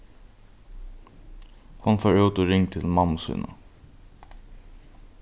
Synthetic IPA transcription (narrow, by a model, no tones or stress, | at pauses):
hʊnfoːɹʉːt̪oɹɪŋt̪ʰɪlmɑməsṵːnə̰